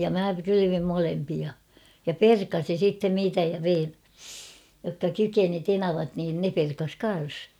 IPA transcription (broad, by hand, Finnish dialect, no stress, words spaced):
jɑ mæ kylyʋim molempiɑ jɑ perkɑsin̞ sitːen niːtæ jɑ ʋein jokːɑ kykeni tenɑʋɑt niːn ne perkɑs kɑn̞s